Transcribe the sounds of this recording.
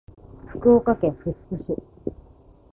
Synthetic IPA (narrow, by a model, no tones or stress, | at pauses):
ɸɯ̟̥kɯ̟oːkakẽ̞ɰ̃ɸɯ̟̥kɯ̟ɕi